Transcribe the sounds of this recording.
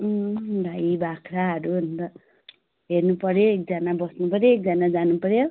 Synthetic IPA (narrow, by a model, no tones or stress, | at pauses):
dʱajbakʰɾaɦʌɾuʌnt̪ʌ | ɦernupʌɾjoek̚d͡zʌnabʌsnupʌɾjoek̚d͡zanad͡zanupʌɾjo